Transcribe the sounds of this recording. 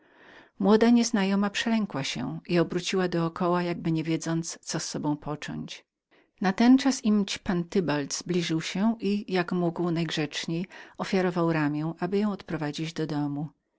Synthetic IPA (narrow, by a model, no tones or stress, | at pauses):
mwɔd̪aɲɛznajɔmapʂɛlɛŋkwaɕɛ̰ʔiɔbɾut͡ɕiwad̪ɔːkɔwajaɡ̚bɘɲɛvʲjɛd̪zɔnt̪st̪sɔsːɔbɔ̃w̃pʰɔt͡ʂɔ̰ɲt͡ɕ | nat̪ɛnt͡ʂasimt͡ɕpant̪ɘbalt̪z̥blʲiʐɘwɕɛʔijakmuɡwnajɡʐɛt͡ʂɲejɔfʲjaɾɔvawɾamʲjɛw̃ʔabɘjɔ̃w̃ɔt̪pɾɔvad͡ʑid͡ʑd̪ɔd̪ɔmu